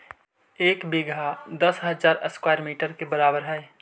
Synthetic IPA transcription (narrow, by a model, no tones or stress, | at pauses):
eːkbiɡʱad̪əsɦəzaːɾəskwaːɾmiːʈəɾkebəɾaːbəɾɦɛe